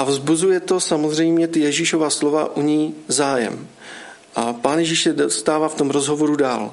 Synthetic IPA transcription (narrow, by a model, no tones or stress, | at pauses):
ʔavzbuzujɛt̪o̞samozrɛjmɲɛt̪ɪjɛʒiːʃovaːslo̞va̰ʔuɲiːzaːjɛ̰m | ʔapaːnjɛʒiːʃsɛst̪aːvaːft̪o̞mɾozɦo̞vo̞ɾuda̰ːl